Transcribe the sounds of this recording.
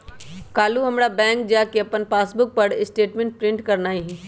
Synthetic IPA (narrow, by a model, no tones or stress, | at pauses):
kaːluɦɐmɾabɛ̃ːŋkd͡ʒakeɐpənpaːsbʊk̚pəɽɪsʈeːʈmẽɳʈ̚pɾɪ̃ɳʈkɐɾnaːiɦɛ